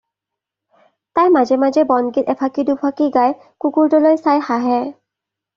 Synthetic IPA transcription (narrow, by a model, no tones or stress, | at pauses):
tajmazɛmazɛbɔnɡit̪ɛpʰakidupʰakiɡaj | kukuɹdɔlojsajxaɦɛ